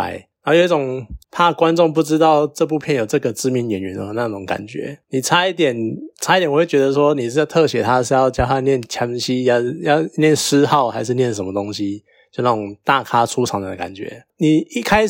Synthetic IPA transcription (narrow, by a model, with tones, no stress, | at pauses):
a̰˨˦ɪna˧˥˨jo˨˧˦i˥˩ʈ͡ʂʊ˨˩ŋpʰa˥˩kwa˦nʈ͡ʂo˥˧ŋp̬u˥˩ʈ͡ʂɻ̩˥t̪ɑ˥˧ʊʈ͡ʂɤ˥˧p̬u˥˧pʰjɛ˨njo˨˩ʊʈ͡ʂɤ˥˩ɡə˩t͡sɹ̩˥mi˧˥nɥɛ˨˥nɥɛ˧˦nə˧˦na˥˧ʈ͡ʂʊ˨˩˦ŋka̰˨˩nt͡ɕɥɛ̰˧˥ni˨˩t͡sʰa˧˥˦i˥˩t̪jɛ˨˩nʈ͡ʂʰa˧˥i˥t̪jn˨˧˩wt͡ɕɥɛ˧˥d̪ə˧ʂ̬wɔ˦ni˨˩˥jt̪ʰɤ˥˨ɕɥɛ˨˥t̪ʰa˦ʂ̩˥˧jɑ˥˧ʊt͡ɕjɑ˥ʊxa˥˧njɛ˥˩nt͡ɕʰjɑ˧˥ŋɕi˥jɑ˥˧ʊjɑ˥˩ʊnjɛ˥˨˩nʂ̩˥xɑ˥˩ʊxa˧˥ɪʂ̬ɻ̩˥˧njɛ˥˩nʂ̬ə˧˦nmə˧t̪o˥ŋɕi˦ | t͡ɕo˥˧ʊna˥˩ʈ͡ʂʊ˨˩ŋt̪a˥˨kʰa˥ʈ͡ʂʰu˦ʈ͡ʂʰɑ˧˥ŋd̪ə˧˨ka̰˨˩nt͡ɕɥɛ̰˧˦ni˨˩i˦˥kʰa˥ɪ